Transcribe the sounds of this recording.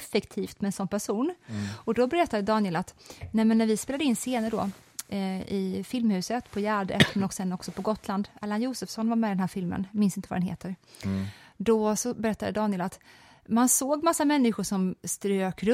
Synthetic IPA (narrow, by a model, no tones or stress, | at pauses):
fɛkt̪ʰiːft̪mɛɛnsɔnːpʰæʂuːnɔd̪ɔbɛɾɛt̪ːad̪əd̪ɑːnɪɛlat̪nɛmɛnːæɾvɪspeːlad̪əɪnseːnəɖɔ̰ | ɪfɪlmhʉ̟ːsət̪pʰɔjæːɖə̰t̪mɛnɔksɛnːɔksɔpʰɔɡɔt̪ʰːland̪aːlanjuːsəfsɔnvaɾmɛːd̪ɛnɦæːɾfɪlmə̰nmɪnsɪnt̪əvad̪ɛnhḛːt̪ʰəɾ | d̪ɔsɔbɛɾɛt̪ːad̪əd̪ɑːnɪɛlat̪ | mansoːɡmasːamɛnːɪɧʊʂɔmst̪ɾøːkɾɵ